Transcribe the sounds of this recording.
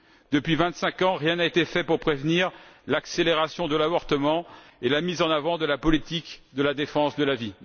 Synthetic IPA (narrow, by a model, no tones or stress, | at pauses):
d̪əpɥivɛ̃t̪sɛ̃kɑ̃ʁjɛ̃naet̪efɛpuʁpχevniʁlakseleʁasjɔ̃d̪əlavɔʁt̪əmɑ̃elamizɑ̃navɑ̃d̪əlapɔlit̪ikd̪əlad̪efɑ̃sd̪əlavi